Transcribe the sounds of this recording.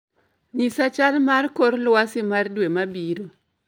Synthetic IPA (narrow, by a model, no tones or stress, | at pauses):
ɲisat͡ʃalmarkoɾlwasimardwemabiɾo